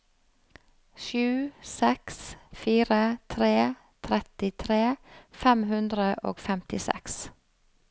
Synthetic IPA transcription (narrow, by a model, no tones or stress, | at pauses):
ʃʉːsɛksfiːɾət̪ʰɾeː | t̪ʰɾɛt̪ɪt̪ʰɾeːfɛmhʉnd̪ɾəʔo̰ːɡfɛmt̪ɪsɛ̰ks